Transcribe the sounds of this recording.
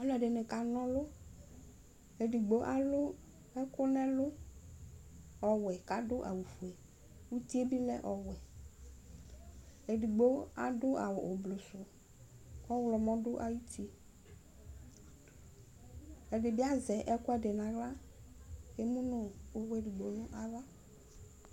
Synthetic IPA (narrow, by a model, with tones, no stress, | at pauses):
ɔ˦lɛ˨ɖɪ˨nɪ̃˨ka˨nɔ̃˦lʊ˦ | e˨di˨ɡ͡bo˦ʔa˦lʊ˦ | ɛ˦kʊ˦nɛ̃˦lʊ˦ | ɔ˨wɛ˨ka˨dʊ˦ʔa̰˨wu˨fu˨ɛ˨ | wu˦t̪i˦e˦bi˦lɛ̰˦ʔɔ˨wɛ˨ | e˨di˨ɡ͡bo˦a˨dʊ˦ʔa˨wʊ˨ʔʊ˨blo˨sʊ˨ | ɔ˦wlɔ˨mɔ̃˦dʊ˦ʔa˨ji˦ti˦ | ɛ˨dɪ˨bɪ˦a˦zɛ˨ʔɛ˦kʊ˦ɛ˦dɪ˨nã˨ɣla˦ | ke˦mũ˦nʊ̃˨˦we˨di˨ɡ͡bo˨nʊ̃˦ʔa˨va˦